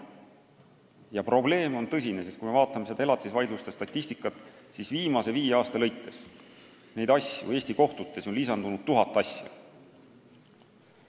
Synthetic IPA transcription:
jɑpro̞ble̞ːmo̞nt̪ɤs̬ʲine̞sest̪kujme̞vɑːt̪ːˑɑme̞se̞d̪ɑe̞lɑt̪ːˑisvɑjd̪lust̪est̪ɑt̪ʲːisʲt̪ikːˑɑt̪ːˑsisviːmɑse̞viːɑːst̪ɑlɤjt̪ːˑe̞s | ne̞jd̪ɑsʲjṵe̞ːsʲt̪iko̞ht̪ut̪ːe̞so̞nlisɑnd̪unud̪̥̚t̪ːuɦɑt̪ːˑɑsʲjɑ̰

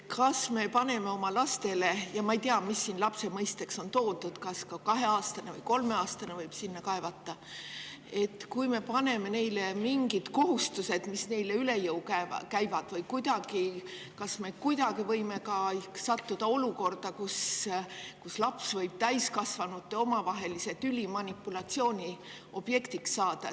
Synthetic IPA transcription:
kɑsme̞pɑne̞me̞o̞mɑlɑst̪e̞le̞jɑmɑejt̪eɑmisːinlɑpse̞mɤjst̪e̞kso̞nt̪o̞ːd̪ud̪̥kɑskɑkɑɦe̞ɑːst̪ɑnevɤjko̞lme̞ɑːst̪ɑnevɤjb̥sinːɑkɑevɑt̪ːˑɑ | e̞t̪ːkujme̞pɑne̞me̞ne̞jlemiŋɡid̪̥ko̞ɦust̪use̞d̪̥misne̞jle̞yle̞jɤuwkækæjvɑd̪̥vɤjkujd̪̥ɑɡi | kɑsme̞kujd̪̥ɑɡ̥ivɤjme̞kɑihsɑt̪ːud̪̥ɑo̞luko̞rd̪̥ɑkus | kuslɑpsvɤjb̥̚t̪æjskɑsvɑnut̪ːe̞o̞mɑvɑɦe̞lise̞t̪ylʲimɑnʲipːˑulɑt̪sio̞ːnʲi | o̞b̥je̞kt̪iksːɑːd̪̥ɑ

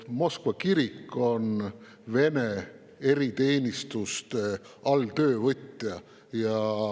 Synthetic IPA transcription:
mo̞skvɑkiɾikːˑo̞n | ve̞ne̞ | e̞ɾit̪e̞ːnʲist̪ust̪e | ɑlt̪ø̞ːvɤt̪ʲːjɑ | jɑ

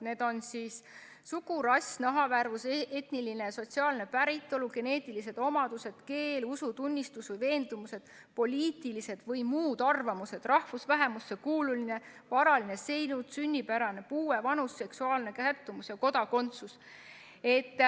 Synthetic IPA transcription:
ne̞ːd̪̥o̞nsiːs | sukuɾɑsʲnɑɦɑværvuse̞t̪niline̞so̞t̪ʲsiɑːlne̞pæɾit̪ːˑo̞luɡ̥e̞ne̞ːt̪ːˑilise̞d̪̥o̞mɑd̪use̞d̪̥ke̞ːlusut̪unʲːist̪usvɤjve̞ːnd̪̥umuse̞d̪̥ | po̞lʲiːt̪ilise̞d̪̥vɤjmuːd̪̥ɑrvɑmuse̞d̪rɑhfusvæɦe̞musːekuːluline̞ | vɑɾɑline̞se̞jnut̪synʲːipæɾɑne̞puːwe̞vɑnusːe̞ksuɑːlne̞kæt̪ːumusjɑko̞d̪ɑko̞nt̪sus | e̞t̪ː

